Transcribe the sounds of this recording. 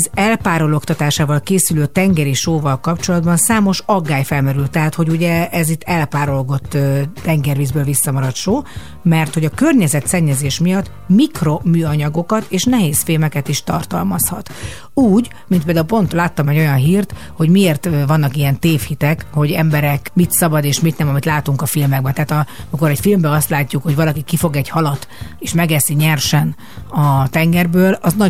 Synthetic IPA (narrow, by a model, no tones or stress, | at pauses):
zɛlpaːɾo̞lo̞kt̪ɒt̪aːʃaːvɒlkeːsyløːt̪ɛŋɡɛɾiʃoːvɒlkɒpt͡ʃo̞lɒd̪bɒnsaːmo̞ʃɒɡːaːjfɛlmɛɾylt̪ːɛɦaːt̪ho̞ɟuɟɛʔɛzit̪ʰːɛlpaːɾo̞lɡo̞t̪ːɛŋɡɛrviːzbøːlvisːɒmɒɾɒt̪ʃoː | mɛrt̪ho̞ɟɒkø̞rɲɛzɛt̪sɛɲːɛzeːʃmijɒt̪ː | mikro̞myːɒɲɒɡo̞kɒt̪eːʃnɛɦeːsfilmɛkɛt̪iʃt̪ɒ̰rt̪ɒ̰lmɒshɒt̪ | uːɟ | mint̪peld̪aulpo̞nt̪laːt̪ːɒmɛɟːo̞jɒnɦiːrt̪ | ho̞ɟmieːrt̪vɒnːɒkijɛnt̪eːfhit̪ɛkho̞ɟɛmbɛɾɛkmit̪sɒbɒd̪eːʃmit̪nɛmɒmit̪laːt̪uŋkɒfilmɛɡ̚bɛt̪ɛaːt̪ɒmiko̞ɾɛcfilmbɛɒst̪laːcːukho̞ɟvɒlɒkikifo̞ɡɛɟhɒlɒt̪eːʃmɛɡɛsiɲɛrʃɛn | ɒt̪ɛŋɡɛrbøːlɒznɒ